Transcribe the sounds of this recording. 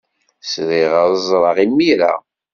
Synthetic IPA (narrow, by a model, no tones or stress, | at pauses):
sɾiʁəðˤzˤɾˤɑʁimːiɾa̰